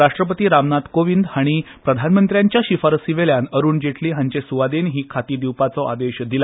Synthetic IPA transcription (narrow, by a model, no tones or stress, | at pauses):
ɾaʂʈɾəp̬ət̪iːɾamnat̪koʋind̪haɽ̃i | pɾəd̪ʱanmənt̪ɾjaɲt͡ɕjaɕifaɾsiʋeljanəɾuːnd͡ʑeʈliːɦaɲt͡ɕesuʋad̪enɦiːkʰat̪iːd̪iwpat͡sɔʔa̰d̪eɕd̪ila